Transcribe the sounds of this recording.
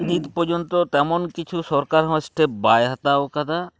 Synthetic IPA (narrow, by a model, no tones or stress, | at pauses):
niːt̪pod͡ʒont̪ot̪ɛmonkɪt͡ʃʰusɔɾkaɾɦɔ̃əsʈʰebaːjɦɐt̪aokad̪a